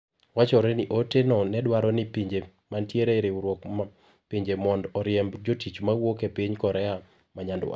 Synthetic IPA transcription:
wat͡ʃɔɾɛnɪʔotenɔnɛdwaɾɔnɪpiɲd͡ʒe | mantjeɾeɾeuɾwɔk | piɲd͡ʒemɔndɔɾjɛmbd͡ʒotit͡ʃmawokepiɲkɔɾɛa | maɲandʊa̰

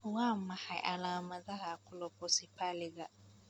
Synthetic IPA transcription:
wam̩mahajʔa̰lamazaɦakʊlɔpɔsipʰalɪɡa

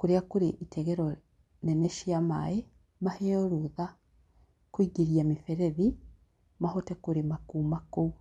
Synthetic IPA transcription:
kuɾeakuɾiʔitʰeɡeɾo | neneʃijama̰je | maheoɾuða | kwiːɡiɾjamifeɾeði | mahotekuɾimakumaku

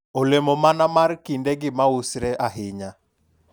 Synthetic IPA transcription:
olemomanamarkindeɡɪmausɾeʔaɦɪɲa

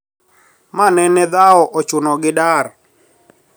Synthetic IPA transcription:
manɛnɛd̪aɔʔɔt͡ʃʊnɔɡɪdar

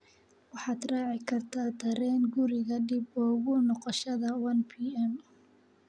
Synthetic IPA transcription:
wɑħɑːd̪rɑːʕɪkʰɐrt̪ʰaːt̪ʰɐɾɛːnɡʊɾɪɣɐɖɪbɔːɣʊnɔqɔʃɐðɐwɐnpʰiːɛn

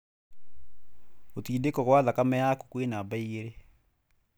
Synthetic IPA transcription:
otiːdekɔɣwaðakamɛaku̥kwenabaiɣeɾe

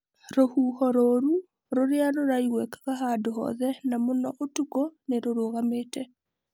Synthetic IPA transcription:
ɾohuhɔɾoɾu | ɾoɾeaɾoɾaiɣwɛkḁɣaɦadoɦɔ̰ðɛnamonɔʔotukɔneɾoɾoɣameːtɛ

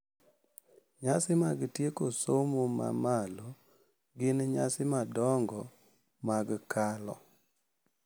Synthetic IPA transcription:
ɲasɪmaɡtjekosomoma̰malo | ɡɪnɲasɪmadɔŋɡɔ | maɡkʰalɔ̰

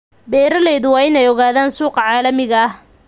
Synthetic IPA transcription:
bɛːɾɐlɛːðʊwɑːɪnɛjɔɣaːðaːnsuːqɑʕaːlɐmɪɣɐɐh

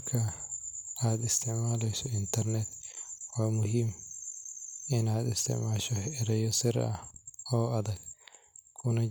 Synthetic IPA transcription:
kʰːɐ | ad̪ɪst̪ɪʕmaːlɛjsɔɪnt̪ɐɾnɛt̪wamʊɦim | ɪnaːd̪ɪst̪ɪ̰ʕmaːʃɔɛɾɛjːɔsɪɾ̰a̰oːɐd̪ɐɡ | kʰʊnɐ

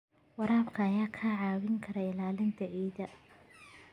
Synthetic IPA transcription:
wɐɾaːbkʰɐːjaːkʰaʕɑːwɪŋkʰɐɾɛɪlaːlɪnt̪ʰɐʔiːðɐ

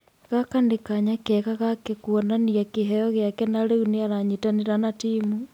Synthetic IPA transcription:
ɣakandekaɲakɛɣaɣakekuonaniakeɦɛjɔɣjakɛnaɾeɣuneaɾaɲitaneɾanatiːmu

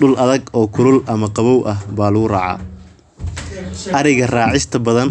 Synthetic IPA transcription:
ʊlʔɐðɐɡɔːkʰʊɾʊlɐmɐqɑβɔwʔɐɦbaːlɐɣʊraːʕɑ̰ː | ɐɾɪɣɐraːʕɪst̪ʰɐbɐðɐn

